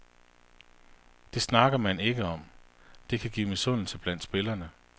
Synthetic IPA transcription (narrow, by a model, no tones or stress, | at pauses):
d̥e̝snɑ̈ɡ̥ɐmæne̝ɡ̥əɒ̽md̥e̝kʰæɡ̥ḭːmisɔ̽n̰l̩səb̥læn̰d̥sb̥e̝lɐnə